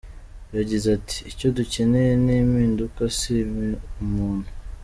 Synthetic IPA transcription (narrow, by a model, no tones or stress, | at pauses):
jaɟizati̥ːco̞duceneenimiːndukasiβeumuːnhu̥